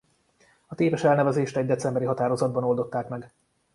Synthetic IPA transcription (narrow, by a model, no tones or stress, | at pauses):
ɒt̪eːvɛʃɛlnɛvɛzeːʃt̪ɛɟ̚d̪ɛt̪sɛmbɛɾiɦɒt̪aːɾo̞zɒd̪̚bɒno̞ld̪o̞t̪ːaːkmɛɡ